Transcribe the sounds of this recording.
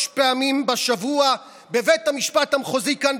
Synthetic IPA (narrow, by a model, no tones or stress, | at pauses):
ʃpeamimbaʃavua | bevethamiʃpathamχozikan